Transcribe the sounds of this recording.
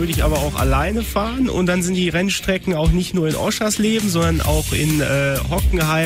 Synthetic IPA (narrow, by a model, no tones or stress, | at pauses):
ʏɐdəɪçʔa̰ːbɐaʊxa̰laɪnəfaːʁənʊ̰nt̚d̥anzɪntd̥iːʁɛnʃtʁ̥ɛkŋ̩aʊxnɪçtnuːɐɪnʔɔ̰ʃasleːbm̩zɔndɐnʔa̰ʊxʔɪ̰nʔɛhɔkŋ̩haɪ